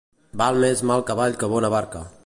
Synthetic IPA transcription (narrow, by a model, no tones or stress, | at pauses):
balˠmezmalˠkəβaʎkəβɔnəβaɾkə̰